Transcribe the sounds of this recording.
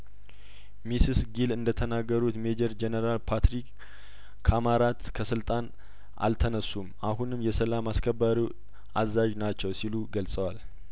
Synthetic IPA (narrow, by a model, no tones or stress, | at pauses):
misisɡilɨnd̪ət̪ʰənaɡːəɾut̪med͡ʒəɾd͡ʒenəɾalpʰat̪ɾikːʰ | amaɾat̪kʰəsɨlt̪ʼan | ʔa̰lt̪ʰənəsːumaɦunɨmjɛsəlamaskʰəbːaɾi | ʔazːad͡ʒnat͡ʃːɛwsiluɡəlsʼəwal